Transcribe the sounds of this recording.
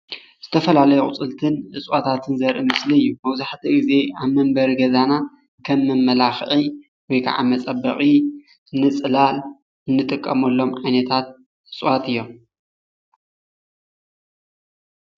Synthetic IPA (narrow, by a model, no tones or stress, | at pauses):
z̥ɨt̪ʰɐfɐlalɐjuχʼʊ̰t͡sʼɨlt̪ʰɨnʔɨt͡sʼwat̪ʰat̪ʰɨnzɐɾʔɨmɨsliɨjːumɐwzaħt̪ʰiɡɨze̞aβmɐmbɐɾɡɐzana | kʰɐmːɨmːɐlaxʔi | wɔjkʰa̰ʕa̰mɐt͡sʼɐbːɐ̰χʼi | ɨnːɨt͡sʼɨlal | ɨnːɨt̪ʼɨkʼːɐmɐlːo̞mʕajnɐt̪ʰat̪̚ | ʔɨt͡sʼwat̪ʰɨjːo̞m